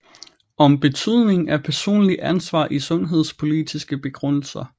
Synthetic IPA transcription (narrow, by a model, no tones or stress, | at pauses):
ɒ̽mb̥e̝t͡sʰyð̞̰ˠne̝ŋæpʰæɐso̝̰ːnliʔænsʋɑ̰̈ːʔisɔ̽nɦe̝ð̞̰ˠspʰo̝lid̥isɡ̥əb̥e̝ɡ̥ʁɔn̰l̩sɐ